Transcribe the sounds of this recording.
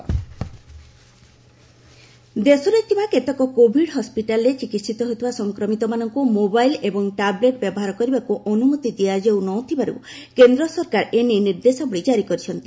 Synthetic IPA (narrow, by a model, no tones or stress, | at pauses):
d̪esɔɾet̪ʰibaket̪ɔkɔkobʱiɽɦɔspiʈalɔɾet͡ʃikit̪sit̪ɔɦojt̪ʰibasɔŋkɾɔmit̪ɔmanɔŋkumobajlebɔŋʈableʈ̚bjɔbɔɦaɾɔkɔɾibakuʔɔnumot̪id̪iad͡ʒewnɔt̪ʰibaɾṵ | kend̪ɾɔsɔɾkaɾeneniɾd̪esɔbɔɭid͡ʒaɾikɔɾit͡ʃʰɔnt̪i